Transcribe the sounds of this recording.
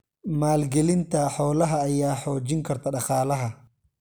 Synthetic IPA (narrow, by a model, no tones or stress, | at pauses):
maːlɡɛlɪnt̪ʰɐħɔːlɐɦɐːjaːħɔːt͡ʃɪŋkʰɐrt̪ʰɐɖɑχɑːlɐɦɐ